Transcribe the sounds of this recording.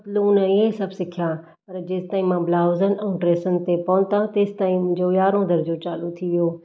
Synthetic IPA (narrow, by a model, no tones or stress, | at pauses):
t̪luːnɪɦesɐbʱsɪkʰija | pɐɾd͡ʑeːst̪aːɦĩmãblaːʊzənʔɛ̃ːʈɾeːsənɪ̆t̪epɐnt̪ãt̪eːst̪aːĩmʊ̃ɲd͡ʑojaːɾõd̪ʱɐɾd͡ʑot͡ɕaːlut̪ʰiʋijoː